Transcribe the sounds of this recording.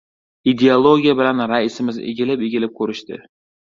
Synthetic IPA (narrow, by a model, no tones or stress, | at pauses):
id̪ʲeolˠoɡʲijabɪlanɾaɪsɪmɪzḛɡʲɪlɪpeɡʲɪlɪp̚kʲʰɵɾɪʃt̪ɪ̰